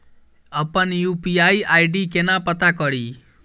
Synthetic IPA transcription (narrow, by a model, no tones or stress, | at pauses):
əpənjupiaiajɖikenapət̪akɔɽi